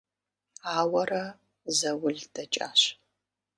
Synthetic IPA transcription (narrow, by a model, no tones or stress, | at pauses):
aːwɐrɐ | zɐwʊɮd̥ɐt͡ʃʼa̰ːɕ